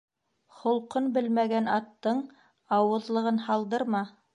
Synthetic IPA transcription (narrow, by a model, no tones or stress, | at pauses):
χŏlˠqɤnbɘlmæɡænɑt̪ːɤɴ | ɑwɤ̆ðlˠɤ̆ʁɤnhɑlˠd̪ɤɾmɑ